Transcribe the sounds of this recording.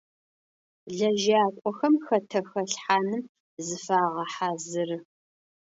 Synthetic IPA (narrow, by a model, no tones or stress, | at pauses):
ɮɐʒaːkʷʼɔxɐmxɐtʰɐxɐɬħaːnɨm | zɨfaːʁɐħaːzɨrɨ